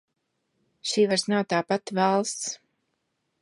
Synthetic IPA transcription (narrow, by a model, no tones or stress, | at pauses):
ʃiːvaɾsnawt̪aːpat̪valˠst̪s